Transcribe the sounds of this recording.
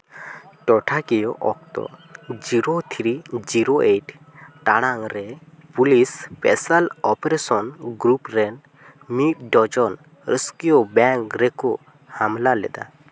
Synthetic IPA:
ʈɔʈʰakijɔʔɔk̚t̪ɔ̰d͡ʒiɾot̪ʰɾid͡ʒiɾoʔeʈ | ʈaɽ̃aŋɾɛpulispɛsalɔpɾesɔnɡɾupɾɛn | mit̪̚ɖɔd͡ʒɔn | ɾəskijobɛŋkɾɛkɔ | hamlalɛ̰d̪a̰

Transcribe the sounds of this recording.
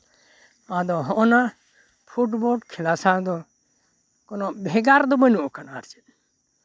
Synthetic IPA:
ãd̪ɔɦɔʔna | pʰuʈbɔɽkʰilasad̪ɔ | kɔnɔbʱɛɡaɾd̪ɔbənuɔkanaɾt͡ʃɛ̥

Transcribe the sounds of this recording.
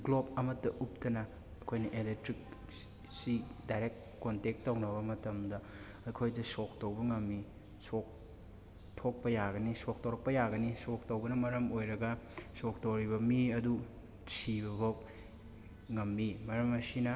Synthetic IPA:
ɡlob̚ɐmɐtːɐʔup̚tɐnɐ | ɐkʰojnɐʔeletɾik̚ | sidajɾek̚t | kontek̚tːɐwnɐβɐmɐtɐmdɐ | ɐkʰojdɐsok̚tɐwbɐŋɐmːi | sok̚ | tʰok̚pɐjaɡɐnisok̚towɾɐk̚pɐjaɡɐnisok̚tɐwbɐnɐmɐɾɐmojɾɐɡɐsok̚towɾibɐmiɐdu | sibɐβɐ | ŋɐmːimɐɾɐmɐsinɐ

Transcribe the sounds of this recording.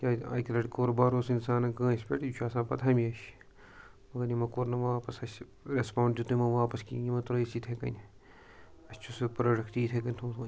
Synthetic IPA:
kʲaːa̰ːjkɐlɐʈkoːɾbaːɾoːsinsaːnɐkɐ̃ːsʲpʲḛʈːt͡ʃʰaːsãːpɐt̪ʰamiɐʃ | mɐɡɐnimɐkoɾnɐʋaːpɐsɐs | ɾespãːɳɖd͡ʒut̪umɐʋaːpɐskḭːimɐt̪ɾɐisiːt̪ʰekɐ̰nʲ | ɐsʲt͡ʃʰuspɾɐɽɐkt̪iːt̪ʰekɐnʲt̪ʰõːt̪ʰːʲ

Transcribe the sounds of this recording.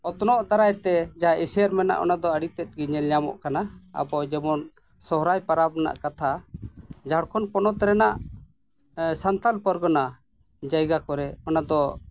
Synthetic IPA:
ɔt̪ɔnɔʔt̪aɾajt̪ɛd͡ʒaaisəɾmɛna̰ʔɔ̰nad̪ɔəɽit̪ɛt̪̚ˀɡiɲɛlɲamɔ̰ʔkanaa̰bɔd͡ʒɛmɔn | sɔɦɾajpaɾabna̰ʔkat̪ʰa | d͡ʒaɔɽkʰɔnpɔnɔt̪ɾɛnaʔ | sant̪alpəɾɡɔna | d͡ʒajɡakɔɾɛɔnad̪ɔ

